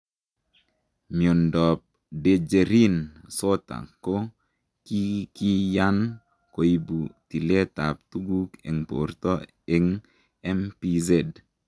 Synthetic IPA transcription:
mio˨ndɔ˨p̚ | de˨d͡ʒe˨ɾi˦nso˦t̪a̰˨ko˦ | ki˦ki˦ja˦n | ko˨i˦bu˨ti˨le˦t̪a˨p̚t̪u˦ɡu˦kḛ˨ŋpo̰˨ɾt̪ɔ˦ | e˨ŋ | ɛ˦mpi˦ze˦˨d

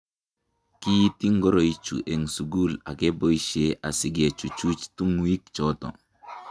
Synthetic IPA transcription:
ki˦ji˦ti˦ŋɡɔ˦ɾo˨i˨t͡ʃṵ˨ʔe˨ŋsu˨ɡu˦la̰˨ɡe˦bo˦i˦ʃe˦ʔa˨sɪ˨ɡe˨t͡ʃu˨t͡ʃu˦t͡ʃtu˦ŋwi˦k̚t͡ʃɔ˦tɔ̰˨

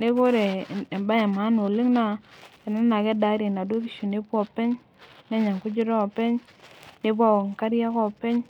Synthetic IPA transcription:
ne˦ko˦ɾe˨mba˦ɲa˨ma˨˦no˨li˦ŋna˨ɛ˨na˦na˨kɛ˦da˦ɾi˨na˨do˦k̬i˦ʃu˨ne˦pɔ˨pɛ˦ɲ | nɛ˦ɲa˨ŋkʊ˦d͡ʒu˦ɾɔ˦ɔ˨pɛ˦ɲ | ne˦p̬wɔ˦˨ŋka˦ɾja˦kɔ˦pɛ˦ɲ

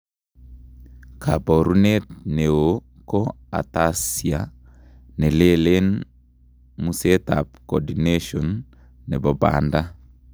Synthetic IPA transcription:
kʰa˨bɔ˨ɾu˦netne˨o | ko˦a̰˨tasia˨ | nɛ˨le˦le˦n | mu˦setapkɔ˨dineʃɔnː | ɛ˨bɔ˨ba̰˨nda˦

